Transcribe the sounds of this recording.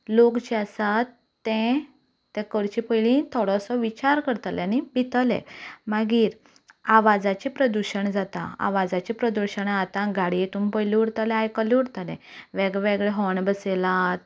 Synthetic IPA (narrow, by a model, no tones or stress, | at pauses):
lokt͡ɕiasat̪ː | ɛ̃ | t̪ɛ̃kəɾt͡ɕipəjlĩt̪ʰɔɽɔsɔʋit͡ɕaɾkəɾt̪əljanibʱit̪əlɛ̰̃maɡiːɾ | aʋad͡zat͡ɕipɾəd̪uɕəɳd͡zat̪a̰a̰ʋad͡zat͡ɕipɾəd̪uɾɕəɳat̪ãɡaɽiet̪uːmpəjliuɽt̪əlɛajkəliuɽt̪lɛ̃ʋɛɡʋeɡɭɛɦɔɳbəselat̪̚